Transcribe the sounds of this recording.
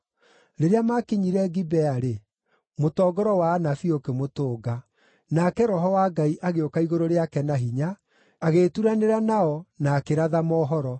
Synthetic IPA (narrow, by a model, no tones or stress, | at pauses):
ɾeɾeamakeɲiɾɛɡibɛaɾe | motɔːɡɔɾɔwaːnafiokemotoːɡa | nakɛɾɔɦɔwaːɡaiʔaɣeokaiɣoɾoɾeakɛnaɦiɲaː | ɣetuɾaneɾanaɔnaːkeɾaðamɔːɦɔɾɔ